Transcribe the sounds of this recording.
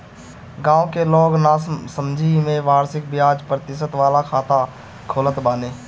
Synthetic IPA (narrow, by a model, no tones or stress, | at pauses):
ɡãːõkelɔːɡnasəmd͡ʒʱimẽʋaːɾsɪk̚bɪjaːd͡ʒpɾət̪ɪʃət̪ʋaːlakʰaːt̪a | kʰoːlət̪baːneː